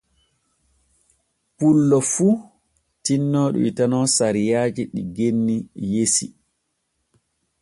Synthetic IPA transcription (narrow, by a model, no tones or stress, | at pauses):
pulːɔfu | tinːɔːɗṵitanɔsaɾijaːd͡ʒiɗiɡenːijesi